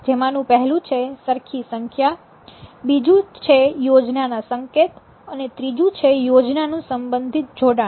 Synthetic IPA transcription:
d͡ʒemãnũpəɦɛlũt͡ʃʰesəɾkʰisəŋkʰja | bid͡ʒũt͡ʃʰejod͡ʒnanasəŋket̪ | ənet̪ɾid͡ʒũt͡ʃʰejod͡ʒnanũsəmbənd̪ʱit̪̚d͡ʒʱoɽa

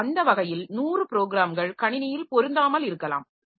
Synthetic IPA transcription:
ɐnd̪ɐʋɐɣɐjɪlnuːrɯpɪɾoːɡɪɾaːmɡɐɭkɐɳɪnɐjɪlpɔɾɯnd̪aːmɐlɪɾɯkːɐla̰ːm

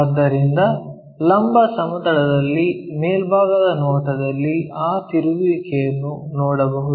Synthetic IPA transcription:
ɐd̪ːɐɾind̪ɐ | lɐmbɐsɐmɐd̪ɐɽɐd̪ɐlːimeːlbʱaːɡɐd̪ɐnɔːʈɐd̪ɐlːiaːt̪iɾuʋikɛjɐnːunɔːɽɐbɐɦud̪u

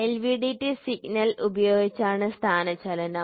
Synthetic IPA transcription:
elʋiɖiʈːisiɡnɐlubɐjo̞ːɡit͡ɕːaːɳɨst̪ʰaːnɐt͡ɕɐlɐnɐ

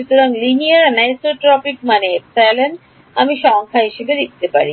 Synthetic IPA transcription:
ʃut̪oɾaŋliniaɾnajsoʈɾɔpikmaneeksalen | amiʃɔŋkʰaɦiʃebed̪ik̚t̪epa̰ɾi

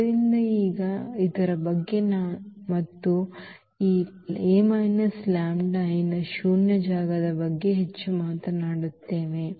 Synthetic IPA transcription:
ɾind̪ɐiːɡɐit̪ɐɾɐbɐɡːe̞naːmɐt̪ːu | iː | eːmɐjnɐslaːmɖɐjnɐʃuːnjɐd͡ʒaːɡɐd̪ɐbɐɡːe̞ɦet͡ʃːumaːt̪ɐnaːɽut̪ːe̞ːʋe̞

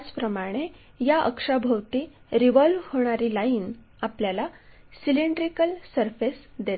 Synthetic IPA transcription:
t͡spɾəmaɽ̃e | jaʔə̰kʂabʱəwt̪iː | ɾiʋɔlʋhoɽ̃aɾiːlaiːn | apljala | siliɳɖɾikəlsəɾfesd̪et̪

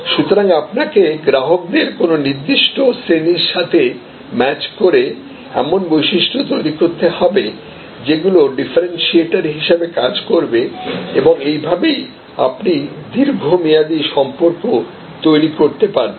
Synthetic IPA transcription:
ʃut̪oɾaŋapnakeɡɾaɦok̚d̪eɾkononiɾd̪iʃʈosɾeniɾʃat̪ʰe | mɛt͡ɕkoɾe | ɛ̰monbojʃiʃʈʰot̪ojɾikoɾt̪ehɔbe | d͡ʑeɡuloɖifaɾenʃieʈaɾɦiʃebekad͡ʑkoɾbeeboŋejbʱabej | a̰pnid̪iɾɡʱomijad̪iʃɔmpoɾko | t̪ojɾikoɾt̪epaɾe

